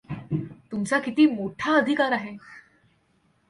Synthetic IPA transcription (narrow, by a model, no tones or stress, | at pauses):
t̪umt͡sakit̪iːmoʈʰaəd̪ʱikaɾaɦe